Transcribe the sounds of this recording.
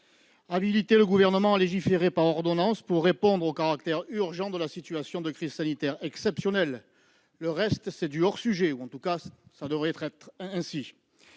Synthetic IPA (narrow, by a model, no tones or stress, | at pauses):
abilit̪eləɡuvɛʁnəmɑ̃aleʒifeʁepaʁɔʁd̪ɔnɑ̃spuʁːepɔ̃d̪ʁokaʁakt̪ɛʁyʁʒɑ̃d̪əlasit̪yasjɔ̃d̪əkχizsanit̪ɛʁɛksɛpsjɔnɛlː | əʁɛst̪sɛd̪yɔʁsyʒeuɑ̃t̪ukasad̪əvʁɛɛt̪χɛt̪χɛ̃si